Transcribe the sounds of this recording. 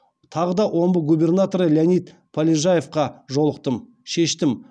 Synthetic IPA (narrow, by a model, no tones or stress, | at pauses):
t̪ʰɑʁəd̪ɑwʔo̞mbəɡubʲe̞rnat̪o̞ɾəlʲanijt̪ | pʰolʲiʒaje̞fqɑʒo̞lˠəq̚t̪əm | ʃe̞ʃt̪ɪm